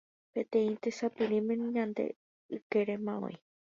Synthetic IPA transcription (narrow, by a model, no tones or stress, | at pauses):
pẽ̞t̪ẽ̞ĩt̪esapɨɾĩmẽɲãnd̪e̞̰ | ɨkeɾemãõ̰ĩ